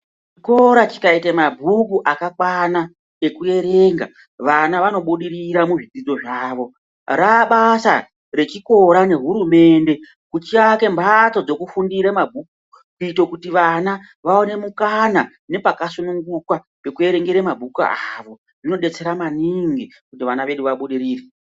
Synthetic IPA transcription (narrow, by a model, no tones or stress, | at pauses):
t͡ʃ | iko̞ɾat͡ʃi̥kaitemabʱukuʔakakwana | e̞kue̞ɾe̞ːŋɡa̰ | ʋanaʋano̞ɓuɗiɾiɾamuʐid͡zid͡zo̞ʐaːʋo̞ | raɓasa̰ | ɾe̞t͡ʃiko̞ɾane̞ɦuɾume̞nde̞ | kut͡ʃiake̞mbʱato̞d͡zo̞kufundiɾemabʱuku | kuitokutiʋana | ʋao̞ne̞mukana | ne̞pakasunuŋɡukwa | pe̞kue̞ɾe̞ŋɡeɾemabʱuka̰aaʋo̞ | ʐino̞ɗe̞t͡se̞ɾamaniŋɡi | kutiʋanaʋe̞ɗuʋaɓuɗiɾiːre